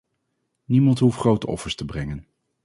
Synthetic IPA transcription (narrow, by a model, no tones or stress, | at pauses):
nimɑntɦufχrowtəɔ̰fəɹstəbrɛŋən